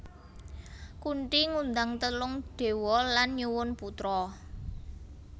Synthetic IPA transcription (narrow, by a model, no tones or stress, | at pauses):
kuɳʈiŋund̪aŋt̪əlʊŋɖ̪̥e̤wɔlanɲuwʊnput̪ɾɔ